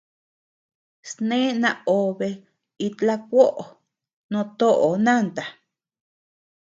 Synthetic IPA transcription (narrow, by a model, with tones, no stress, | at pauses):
snẽ˦nã˧o˨βe˧ | i˧t̪la˦k̚ʷo˦ʔo˨ | nõ˧t̪o˦ʔo˨nã˦˨nt̪a˨